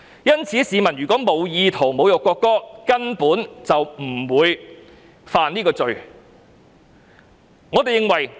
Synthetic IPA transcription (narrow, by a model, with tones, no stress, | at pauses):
jɐ˥nt͡sʰiː˨˥siː˨˧mɐ˨˩njɥyː˨˩kɔː˨˥mo˨˧wjiː˧t̪ʰo˨˩wmo˨˧wjʊ˨kʷːɔː˧kːɔː˥kɐ˥npuː˨˥nt͡sɐ˨wm̩˨˩wuː˨˧j | faː˨˧niː˥kɔː˧t͡sɵ˨ɥ | ŋɔː˨˧t̪e˨jɪ˨˧ŋwɐ˨˩j